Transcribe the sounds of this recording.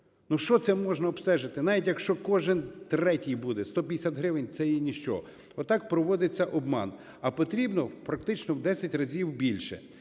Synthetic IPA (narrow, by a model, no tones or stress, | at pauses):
nuʃt͡ʃɔt̪sɛmɔʒnɐɔbst̪ɛʒɪt̪ɪnɑʋʲitʲjɐkʃt͡ʃɔkɔʒɪnt̪ɾɛtʲijbud̪ɛst̪ɔpʲd̪esʲat̪ɦɾɪʋɪnʲt̪sɛjɛnʲiʃt͡ʃɔ̰ | ɔt̪ɑk̚pɾɔʋɔd̪ɪt͡sʲːɐʔɔbmɑ̰n | ɐpɔt̪ɾʲibnɔpɾɐk̚t̪ɪt͡ʃnɔwd̪ɛsʲɐtʲrɐzʲiwbʲilʲʃɛ̰